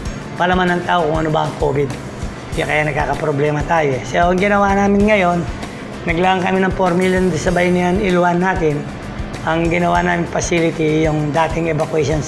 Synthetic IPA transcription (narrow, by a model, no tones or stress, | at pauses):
pɐlɐmanɐŋt̪aːʔokʊŋɐnobɐʔɐŋkʰoːbɪd̪̚ | jakɐjanɐɡ̚ka̰ːkɐpɾoblɛːmɐt̪aːjosɛoʔɐŋɡɪnɐwaːnaːmɪnŋɐjo̞nː | ɐɡlaːɐŋkɐminɐŋpoɾmilɐnd̪ɪsɐbajnɪjɐnɪlwanːaːt̪ɪn | ʔɐŋɡɪnɐwa̰naːmɪnpɐsiːlɪt̪ijʊŋd̪aːt̪ɪŋɛbɐkwɛʃons